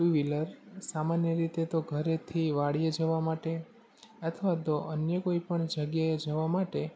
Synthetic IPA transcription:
ʈuʋiləɾsamanjəɾit̪et̪oɡʱəɾet̪ʰiʋaɽijed͡ʒəʋamaʈe | ət̪ʰəʋat̪oʔənjəkoipəɳd͡ʒəɡjaed͡ʒəʋamaʈe

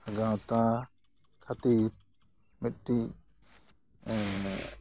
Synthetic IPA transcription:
aɡawt̪a | kʰat̪iɾ | mit̪̚ʈiʔ

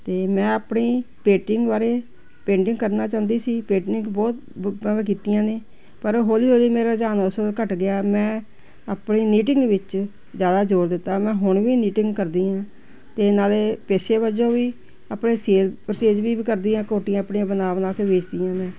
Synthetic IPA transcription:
t̪eːmɛ̃ːəpɳiːpeːʈɪŋɡbaːɾeː | pẽːɳɖɪ̃ŋɡkəɾnaːt͡ʃaːnd̪iːsiːpeːʈɪŋɡbɔːt̪ːk̬iːt̪ijãːneː | pəɾɦoːliːɦoːliːmeːɾaːd͡ʒaːnsəlkəʈɡɪaːmɛ̃ː | əpɳiːniːʈɪŋɡʋɪt͡ʃ | zjaːd̪aːd͡ʒoːɾd̪ɪt̪ːaːmɛ̃ːɦʊɳʋiːniːʈɪŋɡkəɾd̪iːãː | t̪eːnaːleːpeːseːbəd͡ʒõːʋiː | əpɳeːseːlpɾt͡ʃeːd͡ʒbiːkəɾd̪iːãːkoːʈijãːəpɳːãːbənaːʋnaːkeːʋeːt͡ʃd̪iːãːmɛ̃ː

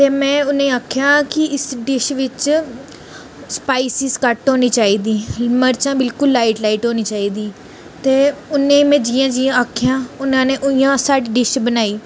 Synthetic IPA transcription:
t̪eːmɛ̃ːʊnẽːaːkʰjaːkɪɪsɖɪʃʋɪt͡ʃ | spaːiːsɪzkəʈɦoːniːt͡ʃaːiːd̪iːməɾt͡ʃãːbɪlkʊlːaːiʈlaːiːʈɦoːniːt͡ʃaːiːd̪iː | t̪eːʊnẽːmɛ̃ːd͡ʒiːãːd͡ʒiːãːaːkʰjãːʊnãːneːʔʊɪjãːsaːɖɖɪʃbənaːiː

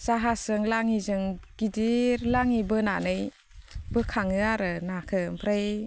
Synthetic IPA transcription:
z̥aɦasɯŋlaŋizɯŋɡ̥idiɾlaŋibɯnanɯj | bɯkʰaŋɯaɾɯnakʰɯmpʰɾej

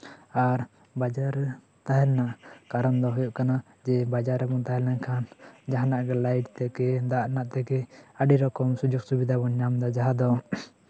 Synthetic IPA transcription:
aɾ | bad͡ʒaɾːɛ | t̪aɦɛlnaʔkaɾɔnd̪ɔɦɔjɔʔkana | d͡ʒɛbad͡ʒaɾːɛbɔnt̪aɦɛlnaɲkʰand͡ʒaɦanaʔɡɛlajʈt̪ɛkɛd̪aʔnaʔt̪ɛkɛaɖiɾɔkɔmsud͡ʒuɡ̚subid̪ʱabɔɲːamd̪ɔd͡ʒaɦad̪ɔ

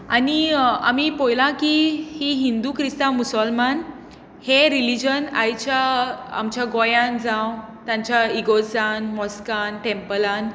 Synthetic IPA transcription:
ania̰mipojlãkihiɦind̪ukɾist̪amusəlman | heɾilid͡ʑəna̰jt͡ɕjaa̰mt͡ɕjaɡɔjãnd͡zãw | t̪jãɲt͡ɕjaiɡod͡zanmɔskanʈɛmpəlan

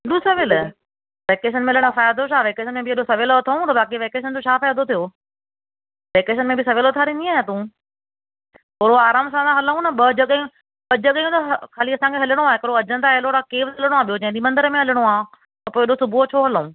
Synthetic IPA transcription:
ɪɗũsɐʋɪl | ʋeːkeːʃənmɪ̃ləɽ̃ofaːjad̪oʃaːʋeːkeːʃənmẽbʱɪɐɗosɐʋeloɐt̪ʰaũt̪ɐbaːkiʋeːkeːʃ̬ənd͡ʑot͡ɕʰaːfaːjad̪ot̪ʰijoː | ʋeːkeːʃənmẽbɪsɐʋeːloːt̪ʰaːɾinĩaːɦet̪ũ | poːɾoaːɾaːmsãːd̪ãɦɐləũnɐɓɐd͡ʑɐɠəũ | ɓɐd͡ʑɐɠəjũt̪ɐkʰaːliɐsãkʰeɦɐləɽ̃oaːɦekɐɾoɐd͡ʑənt̪aeɦloɾakeːʋsləɽ̃oaːɓijod͡ʑɐ̃ɦɪ̃d͡ʑimɐ̃nd̪əɾəmẽɦɐləɽ̃oãː | t̪ɐpoːeɪɗosʊbʱot͡ɕʰoːɦɐləũː

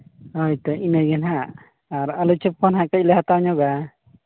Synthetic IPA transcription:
hɔjt̪ɔinajɡɛnɦaː | ɾalut͡ʃʰɯp̚kʰɔnɦakalaɦat̪aɲɔɡa

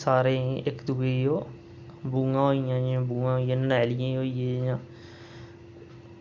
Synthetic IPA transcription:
saːɾẽːɪkd̪uːeːoː | buːãːɦoːijãːd͡ʒãːbũːãːɦoːijãːnnɛːlɪjãːɦoːijeːjãː

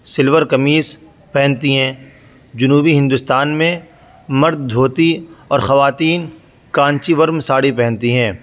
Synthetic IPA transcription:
sɪlʋəɾkɐmiːs | pɛɦnt̪iɦɛ̃ː | d͡ʒʊnuːbiɦɪ̃nd̪ʊst̪aːnmẽ | mɐɾd̪̚ːʱoːt̪iɔːɾxɐʋaːt̪iːn | kãːɲt͡ʃiʋɐɾmsaːɽipɛ̃ɦnt̪iɦɛ̃ː

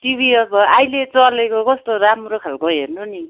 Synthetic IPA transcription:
tibʱiʌbʌajlet͡sʌlekokʌst̪oɾamrokʰalkoɦernoni

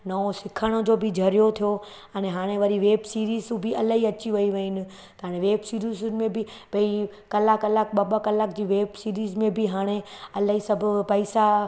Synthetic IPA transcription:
nɐosɪkʰəɽ̃ʊ̆d͡ʑoːbɪd͡ʑʱɐɾijot̪ʰijo | ɛneɦaːɽ̃eʋɐɾiʋeːbsiːɾiːzũbɪʔɐlaɦiɐt͡ɕiʋɐiʋɐɪnɪ̆ | t̪ɦaːɽ̃eʋeːbsiːɾiːzʊnɪ̆mẽbɪ | bɐi | kɐlakɐlak̚ɓɐbakɐlaːkd͡ʑiːʋeːbsiːɾiːzmẽbɪɦaːɽ̃eɐlaɦisɐbʱʊpɐisa

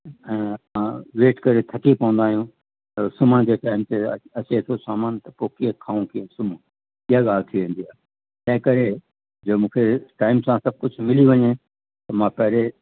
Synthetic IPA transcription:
ɛ̃ːãʋeːʈkɐɾet̪ʰɐkipɐ̃ʋə̃nd̪aːɦijũ | t̪ɐsʊməɽ̃d͡ʑeːʈaːɪmt̪eɐt͡ɕet̪ʰosaːmaːnt̪ɐpoːkiɦẽkʰaːũkiẽsʊm | iɦaɠaːlt̪ʰiʋẽːn̆d̪iaː | t̪ɐ̃ɦɪ̃kɐɾe | d͡ʑoːmũːkʰeʈaːɪmsãsɐb̚ʱkʊd͡ʑʱʊmɪliʋɐɲe | t̪ɐmãːpɐɦɪɾe

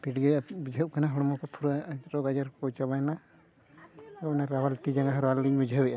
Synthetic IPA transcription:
piʈɡɛabid͡ʒʱəʔkanaɦɔɽɔmɔkɔpʰuɾaɾɔɡad͡ʒaɾkɔt͡ʃabana | ɔwnaɾawalt̪id͡ʒaŋɡaɦɾalːiɲbid͡ʒʱəwɛjʔa

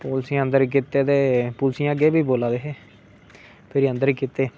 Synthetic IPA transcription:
poːlsiãːə̃nd̪əɾik̬ɪt̪eːt̪eːpʊːlsiãːɡeːbiːboːlaːd̪eːɦeː | pʰɪɾiːənd̪əɾiːkɪt̪ːeː

